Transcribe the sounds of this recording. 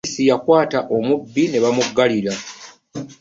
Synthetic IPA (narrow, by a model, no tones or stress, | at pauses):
sijakwaːtaʔo̞mubːine̞βamuɡːaliɾa